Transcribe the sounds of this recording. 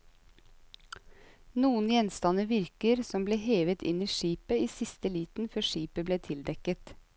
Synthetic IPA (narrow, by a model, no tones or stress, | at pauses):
nuːənjɛnst̪ɑnəʋɪɾkəɾsɔmbleːheːʋət̪ɪ̰niːʃiːpəiːsɪst̪əliːt̪n̩fœʃiːpəbleːt̪ʰɪld̪ɛkət̪